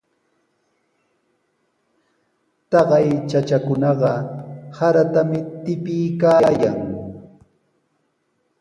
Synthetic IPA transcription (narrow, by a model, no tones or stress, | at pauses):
t̪ɑɢɑjt͡ʃat͡ʃakʊnɑɢɑhaɾat̪amɪt̪ɪpɪjkaːjaŋ